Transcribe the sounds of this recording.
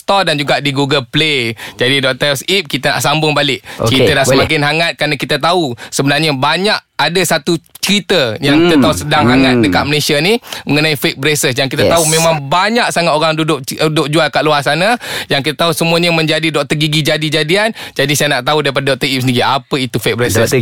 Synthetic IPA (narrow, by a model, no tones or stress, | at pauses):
t̪ɔdand͡ʒuɡaʔdiɡuɡəlpled͡ʒadidɔʔ̚t̪əsip̚kit̪əna̰ʔsambʊŋbalɪʔit̪ənaʔsəmak̬ɪnɦaŋat̪̚kɾanakit̪at̪ausəbənarɲəbaɲaʔ | adasat̪ut͡ʃəɾit̪əjaŋkit̪at̪ausədaŋɦaŋat̪̚dəkat̪̚məlesianiməŋənaifek̚bəɾesəsjaŋkit̪at̪aumẽmaŋbaɲak̚saŋat̪oɾaŋdudʊʔ̚dʊk̚d͡ʒualkaʔluasanajaŋkit̪at̪ausəmuaɲəmə̃ɲd͡ʒadidɔʔ̚t̪əɡiɡid͡ʒadid͡ʒadiand͡ʒadisajanaʔt̪audaɾip̬adadɔk̚t̪əipsəndiɡiapəit̪ufek̚bəɾesəs